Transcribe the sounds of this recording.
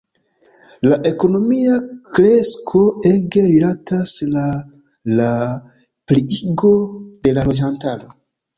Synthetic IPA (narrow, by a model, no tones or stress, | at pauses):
laʔe̞ko̞no̞miakɾe̞skʰo̞e̞ɡe̞ɾilatasla | la | pliiɡo̞de̞lalo̞d͡ʒantaɾo̞